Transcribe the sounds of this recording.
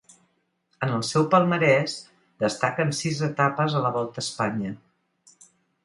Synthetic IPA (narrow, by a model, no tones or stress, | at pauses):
ənəlˠsɛwpəlˠməɾɛs | d̪əst̪akənsizət̪apəzələβɔlˠt̪əspaɲə